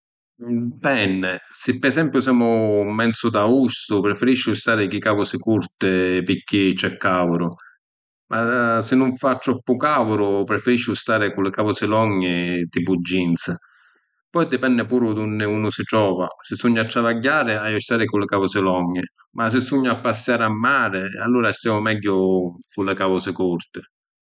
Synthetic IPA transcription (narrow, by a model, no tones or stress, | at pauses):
pɛnːɪsɪpːɛsɛmpjʊsɛːmʊmɛnt̪sʊd̪ausʊpɾɪfɪɾiʃːʊst̪aːɾɪk̟ikavʊsɪkuɾt̪ɪpikːit͡ʃːɛkːaːvʊɾʊ | mʔasɪnːʊɱfat̪ːɾɔpːʊkavʊɾʊpɾɪfɪɾiʃːʊst̪aːɾɪkʊlɪkavʊsɪlɔɲːɪt̪ipud͡ʒːint̪sa | pɔjd̪ɪpɛnːɪpuːɾʊd̪unːɪuːnʊsɪʈɾɔːva̰sɪsuɲːat̪ːɾavaɟːaːɾɪajʊst̪aːɾɪkʊlɪkavɔsɪlɔɲːɪ | mas̬ɪsuɲːaapːasːjaːɾamːaːɾɪa̰lːuːɾast̪jaːmʊmɛɟːʊkʊlːɪkavɔsɪkuɾt̪ɪ